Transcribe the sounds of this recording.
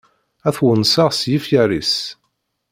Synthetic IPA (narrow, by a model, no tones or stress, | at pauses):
æθwənsaʁsjifjæɾḭs